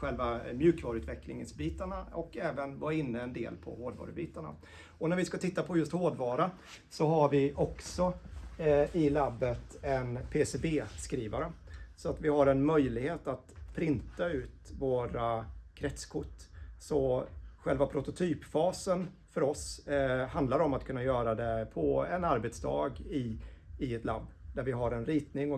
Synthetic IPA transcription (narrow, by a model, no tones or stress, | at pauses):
ɧɛlvamjʉ̟ːkvɑːɾʉt̪vɛklɪ̰ŋə̰nsbiːt̪aɳaɔkɛːvənvɑɪnːəɛnd̪ḛːlpʰɔ̰hoːd̪vɑ̰ːɾəbiːt̪aɳa̰ | ɔnæɾvɪskat̪ʰɪt̪ːapʰɔjɵst̪hoːd̪vɑːɾa | sɔɦaɾvɪʔɔksɔ | ɪlabːət̪ɛnpʰesebeːskɾiːvaɾəsɔat̪vɪhaɾɛnmœjlɪɡheːt̪at̪pʰɾɪnt̪aʉ̟ːt̪voːɾakʰɾɛt̪skʰʊʈːsɔɧɛlvapʰɾʊt̪ʊt̪ʰyːpfɑːsən | fœɾɔsɦand̪laɾɔmat̪̚kʰɵnːajœːɾad̪ɛpʰɔɛnaɾbɛt̪sd̪ɑ̰ːɡɪɪɛt̪la̰bːd̪æɾvɪɦaɾɛnɾiːt̪nɪŋɔ